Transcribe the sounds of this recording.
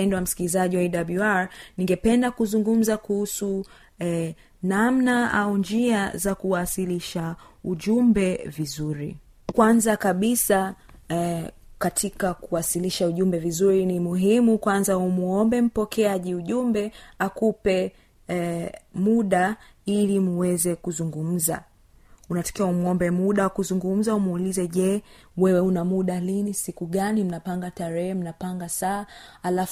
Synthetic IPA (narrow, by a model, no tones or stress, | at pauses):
ɛndɔwam̩si̥kilizaʄiwaɛɗabluaɹniŋɡɛpɛndakuzuŋɡum̩zakuhusu | namnaa̰und͡ʒiazakuwasiliʃauʄumbɛvizuɾḭ | kwanzakaɓisa | katʰikakuwasiliʃauʄumbɛvizuɾinimuɦimukwanzaumuɔmbɛm̩pɔkɛaʄiuʄumbɛakupɛ | muɗa | ilim̩wɛzɛkuzuŋɡum̩za̰ | unatḁkiaumɔmbɛmuɗaakuzuŋɡum̩zaumulizɛʄɛ | wɛwɛunamuɗalinisikuɠanim̩napaŋɡataɾɛhɛm̩napaŋɡasaːalaf